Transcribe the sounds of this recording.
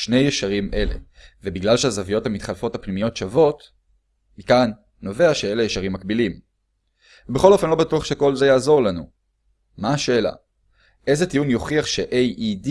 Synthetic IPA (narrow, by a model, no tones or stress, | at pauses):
ʃne̞jeʃaʁimʔe̞le̞̰vebiɡlalʃeazavijo̞thamit̪χalfo̞thapnimijo̞tʃavo̞t | mikanː | o̞ve̞aʃee̞lejeʃaʁimːakbilim | vebeχo̞lo̞fe̞nlo̞batuaχʃeko̞lze̞jaːzo̞ʁlanu | maːʃe̞ːla̰ | ʔe̞jzetijunjo̞χiaχʃeʔejʔid